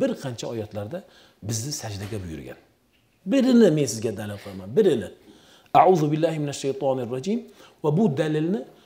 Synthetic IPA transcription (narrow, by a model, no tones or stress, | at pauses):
bɪɾqʰɑnt͡ʃʰaɒjɒt̪laɾd̪a | bɪznɪsad͡ʒd̪aɡʲabʊjʊ̰ɾɡʲa̰n | bɪɾɪnɪme̞nsɪzɡʲad̪alɪlqʰɨɾmanbɪɾɪnɪ | aʕuːðʊbɪlːahɪmɪnaʃːejt̪ʰɑːnrˤːɑd͡ʒim | vabʊd̪alɪlnɪ